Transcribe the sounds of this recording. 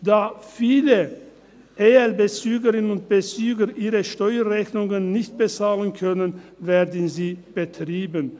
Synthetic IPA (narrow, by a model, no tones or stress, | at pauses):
d̥aːfiːlə | ʔeːɛlbət͡syːɡəʁɪnənʊnt̚b̥ət͡syːɡɐʔiːʁəʃtɔʏɐʁɛçnʊŋənːɪçt̚b̥ət͡saːlənkʰœnənvɛːɐdən̩ziːb̥ətʁ̥iːbən